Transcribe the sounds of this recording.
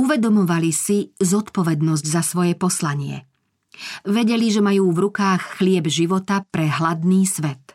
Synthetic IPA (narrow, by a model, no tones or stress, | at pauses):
uʋɛd̪ɔmɔʋalisizɔt̪pɔʋɛd̪nɔzɟzasʋɔjɛpɔslaɲɪɛ̰ | ʋɛɟɛliʒɛmajuːvɾukaːxːlɪɛbʒiʋɔt̪apɾɛɦlad̪niːsʋɛt̪